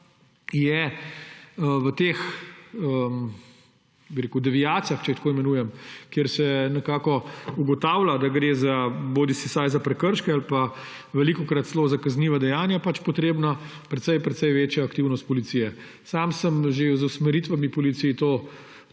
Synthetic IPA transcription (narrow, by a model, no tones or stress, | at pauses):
jɛ | ʋət̪eːx | əm | biɾeːkʊd̪ɛʋijaːt̪sijaxt͡ʃɛixt̪koːimɛnuːjɛmkjeɾsɛnɛkaːkɔuɡɔt̪aːwlad̪aɡɾeːzaboːd̪isisajzapɾɛkəɾʃkɛalpa | ʋɛlikɔkɾat̪zlozakɐzniʋad̪ɛjaːnjapat͡ʃpɔt̪ɾeːbna | pɾɛt̪sɛjpɾɛt̪sɛjʋeːt͡ʃjaːkt̪iwnɔst̪̚pɔlit̪sijɛ | saːmsəmʒezusmɛɾit̪ʋamipɔlit̪siːt̪oː